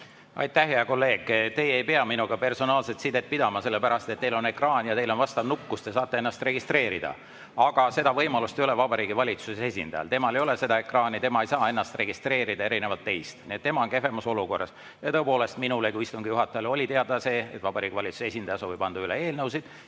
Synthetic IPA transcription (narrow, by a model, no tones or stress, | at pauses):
ʔɑ̰jt̪ːˑæhɦeɑko̞lːe̞ːɡ̥t̪e̞je̞jpeɑminuɡ̥ɑpe̞rso̞nɑːlset̪sid̪̥e̞t̪̚pid̪ɑmɑse̞lːepæɾɑst̪et̪ːe̞jlo̞ne̞krɑːnjɑt̪e̞jlo̞nvɑst̪ɑvnukːust̪e̞sɑːt̪ːee̞nːɑst̪re̞ɡ̥ist̪re̞ːɾid̪̥ɑ̰ | ɑɡ̥ɑse̞d̪ɑvɤjmɑlust̪e̞jo̞levɑbɑɾiːɡivɑlʲit̪susee̞sʲḭnd̪̥ɑjɑ̰lt̪e̞mɑlejo̞lese̞d̪ɑe̞krɑːnit̪e̞mɑejsɑːe̞nːɑst̪re̞ɡist̪ɾe̞ːɾid̪̥ɑe̞ɾine̞vɑt̪ːe̞jst̪niet̪ːe̞mɑo̞nke̞fe̞mɑso̞luko̞rːɑ̰s | jɑt̪ɤ̞epo̞ːle̞st̪minulekuist̪uŋɡ̥ijuɦɑt̪ːˑɑjɑlo̞lʲit̪e̞ɑd̪ɑse̞ːet̪ːvɑbɑɾiːɡ̥ivɑlʲit̪su̥see̞sʲinɑjɑsoːvipɑnd̪̥uylee̞ːlnɤws̬id̪̥